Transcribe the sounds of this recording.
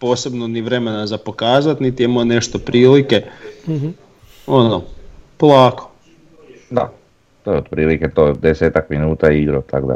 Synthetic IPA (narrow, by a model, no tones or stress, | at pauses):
po̞ːse̞bnoniʋɾe̞me̞nazapo̞kaːzat̪nit̪ijemojne̞ʃt̪opɾiːlike̞ | onopolˠaːko̥ | d̪a̰ | t̪ojeod̪pɾiːliket̪ojd̪eseːt̪akminuːt̪aiɡɾot̪ʰakd̪a̰